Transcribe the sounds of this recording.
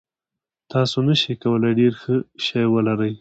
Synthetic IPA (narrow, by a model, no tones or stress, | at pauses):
t̪ɑsonaʃikawəlajɖeɾxəʃajwəlaɾəj